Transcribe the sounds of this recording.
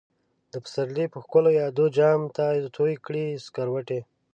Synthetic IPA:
d̪əpə̥saɾlipəxkʊlojɑd̪od͡ʒɑmt̪at̪ʰojkɽiskaɾwaʈe

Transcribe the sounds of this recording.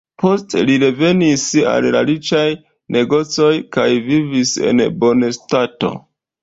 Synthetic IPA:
po̞steliɾe̞ve̞nisa̰lla̰ɾit͡ʃaj | ne̞ɡo̞t͡so̞jkajvivise̞̰nbo̞nestato̞̰

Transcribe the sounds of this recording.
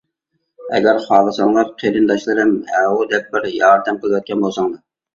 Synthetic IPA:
ɛ̰ɡʲæɾχɑːlˠɨsɑŋlˠɑɾqʰeɾɨnd̪ɑʃlˠɨɾɨmhɛwud̪ɛp̚bɪɾjɑːɾd̪ɛmqəlˠɨwɛt̪̚kʲʰɛnbolˠsɑŋd̪ɨ

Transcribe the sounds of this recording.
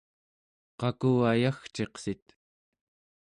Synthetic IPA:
qɑkuajaxt͡ʃe̞qsit̪

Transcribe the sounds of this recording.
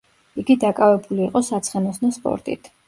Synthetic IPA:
iɡid̪akʼavɛbuliːqʼɔsat̪sʰχɛnɔsnɔspʼɔ̰ɾt̪ʼḭt̪ʰ

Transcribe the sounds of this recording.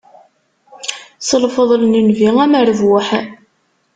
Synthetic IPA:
səlfəðˤlnənviæməɾəvwʊħ

